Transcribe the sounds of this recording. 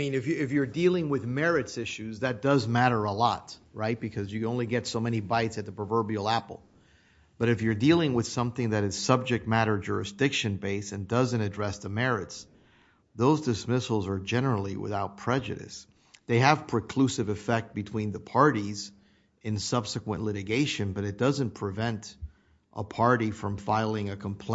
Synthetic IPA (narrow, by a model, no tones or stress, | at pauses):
ĩnɨfjɪfjə˞dilˠɪ̃ŋwɨðmɛɹɨtsɪʃʉzðɨt̚d̥ʌzmæɾə˞əlɔ̰tɹaɪt̚b̥ɨkʰʌzjɨõʊ̃nliɡɛtsoʊmɛñibaɪtsɨt̪̚ðəpɹ̥əvɜ˞bil̩ˠæpl̩ˠ | b̥ʌɾɨfjə˞dilˠɪ̃ŋwəð̥sʌ̃mθɪ̃ŋðɨɾɨz̥sʌb̚d͡ʒɨk̚t̚mæɾə˞d͡ʒʊ̰ɹɨsd̥ɪkʃɨ̃nbeɪsɨ̃ndʌzɨ̃ñtɨdɹɛsðəmɛɹɨts | ðoʊzdɨsmɪsl̩ˠzə˞d͡ʒɛnə˞l̩ˠiwɪ̰θaʊt̚pʰɹ̥ɛd͡ʒɨ̰ɾɨ̰s | ðeɪɨv̥pʰɹ̥ɨkʰl̥ʉsɨvɨfɛk̚t̚b̥ɨtʰw̥ĩnðəpʰɑɹɾiz | ɨ̃nsʌb̥sɨkwə̰̃nʔlɪɾɨɡeɪʃɨ̃nbʌɾɨt̚d̥ʌzɨ̃npʰɹ̥ɨvɛ̃nt | ʔəpʰɑɹɾifɹʌ̃ɱfaɪlˠɪ̃ŋɨkʰə̃mpʰl̥